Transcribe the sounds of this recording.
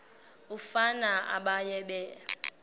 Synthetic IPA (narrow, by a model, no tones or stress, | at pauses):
ufanaa̰ɓajɛɓɛ